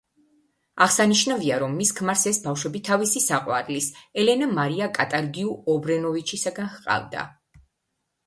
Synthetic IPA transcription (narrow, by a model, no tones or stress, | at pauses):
aʁsaniʃnaviaɾɔmːiskʰmaɾsɛsbafʃwɛbit̪ʰavisisaqʼwa̰ɾlisɛlɛnamaɾiakʼat̪ʼaɾɡiuɔbɾɛnɔvit͡ʃʰisaɡanhqʼa̰vd̪a̰